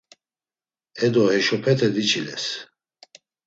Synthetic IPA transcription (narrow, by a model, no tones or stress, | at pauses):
ɛd̪ɔhɛʃɔpʰɛt̪ʰɛd̪it͡ʃʰilɛs